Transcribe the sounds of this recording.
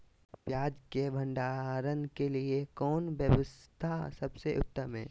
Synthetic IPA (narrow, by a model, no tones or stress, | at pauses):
pjaːd͡ʒkebʱə̃ɳɖaːɾənkeliekɔːnbjəʋəst̪ʰasɐbseʔʊ̰t̪ːəmɦɛ̰̃ː